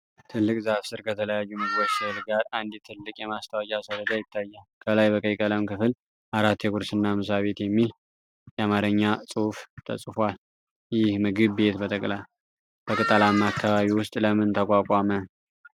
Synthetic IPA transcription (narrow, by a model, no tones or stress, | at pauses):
t̪ʰɨlːɨkʼzafsɨɾkʰət̪ʰələjajːumɨɡɨbot͡ʃsɨhlɡaɾand̪ɛt̪ʰɨlːɨkʼjɛmast̪ʰəwad͡ʒʼasəɾəd͡ʒ̪ajɪt̪ʰːajːalkʰəlajbəkʼəjkʼələmkɨfɨl | ʔaɾat̪ːjɛɡʊɾsɨnːamɨsaβe̞t̪jɛmːil | jɛamaɾəɲːasʼuuft̪ʰə̰sʼfwal | jɪhmɨɡɨβːe̞t̪bət̪ʰʼəkʼlaj | b̥əkʼɨt̪ʼəlamakʰːaβaβiwʊst̪ʼləmɨnt̪ʰəkʼakʼamə